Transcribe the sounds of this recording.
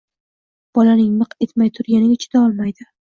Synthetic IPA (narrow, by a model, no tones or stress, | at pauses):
b̥ɒlanɪŋnɨqe̞t̪majt̪ʰʊɾɡʲanɪaɪt͡ʃʰɪd̪̥aɒlˠmajd̪ɪ